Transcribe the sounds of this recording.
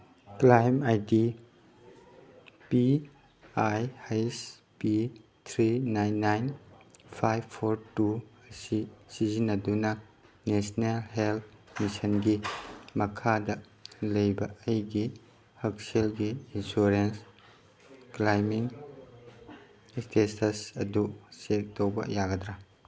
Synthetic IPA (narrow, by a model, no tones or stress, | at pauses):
klajmajdi | pi | ajhajs | pi | t̪ʰɾinajnːajnpʰajbpʰoɾtuɐsisizinːɐdunɐ | nesnelɦelt̚misɐnɡimɐkʰadɐ | lɐjbɐɐjɡi | hɐk̚selɡiːnsuɾens | klajmiŋ | stesɐsɐdusek̚towbɐ̰jaɡɐdɾa